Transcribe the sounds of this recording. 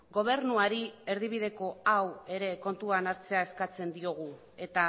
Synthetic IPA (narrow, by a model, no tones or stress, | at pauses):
ɡo̞β̞e̞ɾnuaɾie̞ɾð̞iβ̞iðe̞ko̞awe̞ɾe̞ko̞nt̪uanaɾt͡se̞aeskat͡se̞nd̪io̞ɣ̞u | e̞t̪a